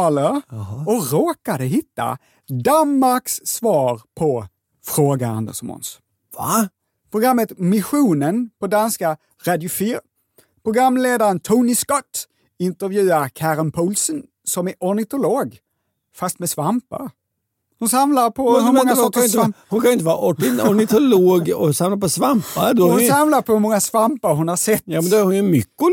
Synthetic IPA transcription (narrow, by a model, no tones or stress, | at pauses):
ɑləɔɾoːkad̪əɦɪt̪ːa̰ | d̪anmaɾksːvɑːɾpʰɔ | fɾoːɡaa̰nd̪ə̰sɔ̰mʊ̰ns | a | pʰɾʊɡɾamːət̪mɪɧuːnənpʰɔd̪anska | ɾad̪jʊfyːɾ | pʰɾʊɡɾamːleːd̪aɾənt̪ʰunɪskɔt̪ː | ɪnt̪əvjʉ̟ːaɾkʰæːɾɪnpʰɔlsən | sɔmæɾʔɔnɪt̪ʊloːɡ | fast̪mɛsʋampə̰ɾ | hʊnsamlaɾpʰɔhʉɾmɔŋːasɔk̪mhʊnkʰɑnʊɪt̪əʋɑːɾʔɔʈɪɔɾnɪt̪ʊloːɡɔsamlaɾpʰɔsʋamppad̪hʊnsamlaɾpʰɔhmɔŋːasvampəɾɦʊnhɑsɛt̪ːjɑːɛnd̪ɛæɾhʊnɛmʏkːʊ